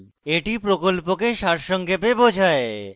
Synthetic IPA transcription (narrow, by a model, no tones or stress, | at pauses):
eʈipɾokolpokeʃaʈʃɔŋɡepebod͡ʑʱae